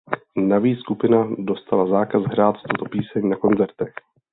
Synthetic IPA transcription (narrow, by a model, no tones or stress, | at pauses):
naviːskupɪnado̞st̪alazaːkazɦɾaːt̪t̪ot̪opiːsɛɲnako̞nzɛɾt̪ɛx